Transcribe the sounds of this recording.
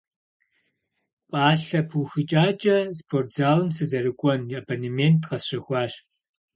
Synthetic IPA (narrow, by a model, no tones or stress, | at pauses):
pʼaːɬɐpʰuxɨt͡ʃʼaːt͡ʃʼɐspʰorzaːlɨmsɨzɐrɨkʷʼɔnabonementʰqɐsɕɐxʷɑːɕ